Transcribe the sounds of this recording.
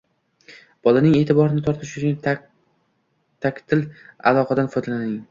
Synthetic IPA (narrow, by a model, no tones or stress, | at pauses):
b̥ɒlanɪŋe̞ːt̪ʰɪbɒɾɪnɪt̪ʰɒɾt̪ʰɪʃʊt͡ʃʰʊn | t̪ʰakʲt̪ʰɪla̰lˠɒqʰad̪anfɒjd̪alanɪŋ